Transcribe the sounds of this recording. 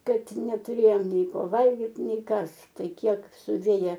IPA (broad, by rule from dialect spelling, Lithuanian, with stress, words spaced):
ˈkɐt nʲɛtʊˈrʲeːjoːm ˈnʲɛɪ ˈkoː ˈʋɐlʲɡʲɪt ˈnʲɛɪ ˈkɐs ˈtɐɪ ˈkʲiɛk sʊˈʋʲeːjɛ